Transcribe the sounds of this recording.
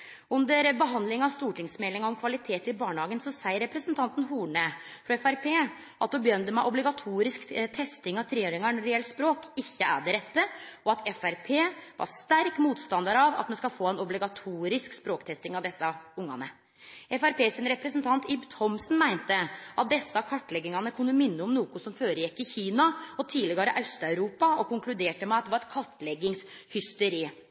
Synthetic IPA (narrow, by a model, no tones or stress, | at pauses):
ʉnd̪əɾbəɦɑnd̪lɪŋɑst̪uːʈʰɪŋsmɛlːɪŋɑɾɔmkʰʋɑlɪt̪ʰeːt̪ɪbɑːɳəhɑːɡənsɔsæɪəɾɛpɾəsənt̪ʰɑnt̪n̩ɦuːɳəfɾɑɛfæɾpʰeː | ʔɑt̪̚d̪ubjœnd̪əmæɪʔɔblɪɡɑt̪ʰuːɾɪskt̪ʰɛst̪ɪŋɑʋt̪ʰɾeːøːɾɪŋɑɳɾɪɛlt̪spɾoːkɪçːəæ̰ːɖɛɾɛt̪ːəɔɑt̪ʰɛfæɾpʰeːʋɑ̰ʂt̪æɾkmuːt̪st̪ɑnd̪ɑɾɑʋɑ̰t̪̚mɛnskɑlfoːɛnɔblɪɡɑt̪ʰuːɾɪskspɾoːkt̪ʰɛst̪ɪŋɑʋd̪ɛsːɑʊŋːɑ̰nə | ɛfæɾpeːsənɾɛpɾəsənt̪ʰɑnt̪ʰɪbt̪ʰɔmsn̩mæɪnt̪əʔɑt̪̚d̪ɛsːɑkʰɑʈːlɛɡːɪŋɑnəkʰʉnːəmɪnːəɔmnuːkʊsɔmføːɾəjɛkːɪçiːnɑɔt̪ʰiːlɪɡɑɾəʔœst̪ɑʉɾuːpɑɔkʊŋklʉd̪eːʈəmɛɑt̪d̪ɛʋɑɾɛt̪kʰɑʈːlɛɡːɪŋshʏst̪əɾiː